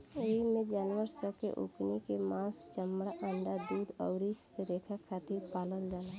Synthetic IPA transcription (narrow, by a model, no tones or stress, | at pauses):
eimẽd͡ʒaːnʋəɾsəkḛʔʊ̰knikemãːst͡ʃəmɽaʔəɳɖad̪uːd̪ɔʊɾist̪eɾeːkʰakʰaːt̪iɾpaːlənd͡ʒaːna